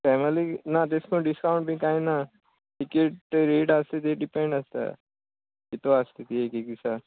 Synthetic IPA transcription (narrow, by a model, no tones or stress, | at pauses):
pɛːməlinat̪eskõɖɪskaʊ̃ɳʈbĩkaːĩna | ʈikeʈ̚eɾeːʈaːst̪it̪̬ieɖipẽɳɖɐst̪a̰ | kit̪oaːst̪it̪iekikisa